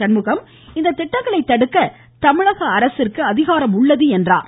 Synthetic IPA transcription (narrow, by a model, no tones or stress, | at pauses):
ɐnmɯɣɐm | ɪnd̪ɐt̪ːɪʈːɐŋɡɐɭɐɪt̪ːɐɽɯkːɐ | t̪ɐmɪɻɐɣɐːɾɐsɪrkɯɐðɪɣaːɾɐmʊɭːɐðɯɛndra̰ː